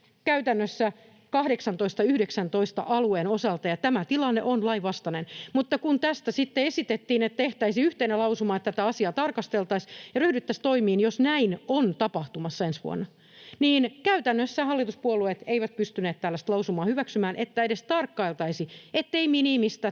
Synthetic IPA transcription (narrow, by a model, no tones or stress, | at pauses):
kæyt̪ænːøsːæ | kɑhdeksɑnt̪oist̪ɑyhdeksænt̪oist̪ɑ̰ʔɑlueːnosɑlt̪ɑjɑt̪æmæt̪ilɑnːḛʔonlɑiʋɑst̪ɑnenmut̪ːɑkunt̪æst̪æsit̪ːeesit̪et̪ːiːnet̪ːæeht̪æisiyht̪enelɑusumɑːet̪ːæt̪æɑsiɑt̪ɑrkɑst̪elt̪ɑsjɑryhdyt̪ːæst̪oimiːnjosnæinont̪ɑpɑht̪umɑsːɑensʋṵo̰nːɑ | niːnkæyt̪ænːøsːæhɑlːit̪uspuoluet̪eiʋæt̪̚pyst̪yneːt̪t̪ːælːæst̪lɑusumɑːhyʋæksymæːnʔet̪ːæedest̪ɑrkːɑilt̪ɑisiet̪ːeiminimist̪æ